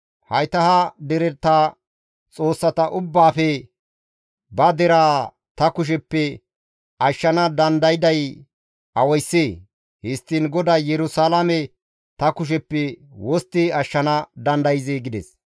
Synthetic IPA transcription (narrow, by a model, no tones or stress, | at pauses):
hɐjt̪ɐhɐd̪ɛɾɛɾt̪ːaː | t͡sʼo̞ːsːɐt̪ɐʔʊbːaːfɛ | bɐd̪ɛɾaː | t̪ɐkʊʃ̬ɛpːɛ | ɐʃːɐnɐd̪ɐnd̪ɐjɪd̪ɐj | ɐwɔjsːeː | hɪst̪ːɪnɡɔd̪aːjɛɾʊsalɐmɛ | t̪ɐkʊʃ̬ɛpːɛwɔst̪ːɪɐʃːɐnɐd̪ɐnd̪ɐjɪzeɡɪd̪ɛs